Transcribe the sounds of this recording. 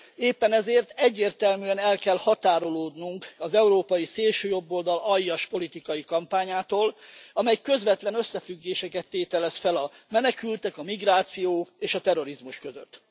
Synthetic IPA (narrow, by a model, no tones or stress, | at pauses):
eːpːɛnɛzeːrt̪ɛɟːeːrt̪ɛlmyɛnɛlkɛlhɒt̪aːɾo̞loːd̪nuŋkɒzɛuɾoːpɒjiseːlʃøːjo̞bːo̞ld̪ɒlɒjːɒʃpo̞lit̪ikɒjikɒmpaːɲaːt̪oːlɒmɛjkø̞zʋɛt̪lɛnøsːɛfyɡːeːʃɛkɛt̪ːeːt̪ɛlɛsfɛlɒmɛnɛkylt̪ɛkɒmiɡraːt̪sijoːeːʃɒt̪ɛɾo̞ɾizmuʃkøzø̰t̪ː